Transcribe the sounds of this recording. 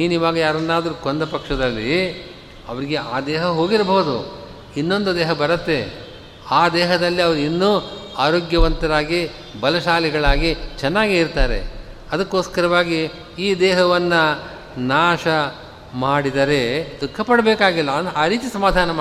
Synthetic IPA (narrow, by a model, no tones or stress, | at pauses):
niːniːʋaːɡɐjaːɾɐnːaːd̪ɐɾukond̪ɐpɐkʂɐd̪ɐlːi | ɐʋɐɾiɡeaːd̪ɛːɦɐɦo̞ːɡiɾɐbɐɦud̪ṵ | inːo̞nd̪ud̪ɛːɦɐbɐɾɐt̪ːe̞ | aːd̪ɛːɦɐd̪ɐlːiɐʋɐɾuinːuːaːɾoːɡjɐʋɐnt̪ɐɾaːɡi | bɐlɐʃaːliɡɐɭaːɡit͡ʃɛnːaːɡiiɾt̪aːɾe̞̰ | ɐd̪ɐkːo̞ːskɐɾɐʋaːɡi | iːd̪ɛːɦɐʋɐnːɐ | naːʃɐ | maːɽid̪ɐɾe̞d̪ukʰːɐpɐɽɐbɛːkaːɡilːɐaːɾiːt͡ʃisɐmaːd̪ʱaːnɐm